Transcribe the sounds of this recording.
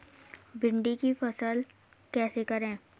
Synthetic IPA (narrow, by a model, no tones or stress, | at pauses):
bɪ̃ɳɖikifɐsəl | kɛːsekəɾẽː